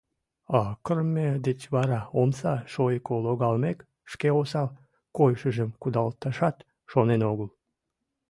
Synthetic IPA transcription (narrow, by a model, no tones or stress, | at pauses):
ɑkərmed̪et͡ɕβɑɾɑomsɑʃojkoloɣɑlmek | ʃkeosɑl | kojʃəʒəmkud̪ɑlt̪ɑʃɑt̪ | ʃonenoɣəl